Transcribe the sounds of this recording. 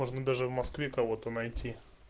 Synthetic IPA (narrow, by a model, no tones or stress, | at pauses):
oʐnəd̪aʐɨvmɐskvʲekɐvo̞t̪ənɐjtʲi